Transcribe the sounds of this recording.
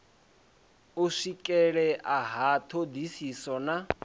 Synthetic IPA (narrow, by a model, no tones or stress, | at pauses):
uʂikʼɛɺɛʔaɦat̪ʰod̪isisɔna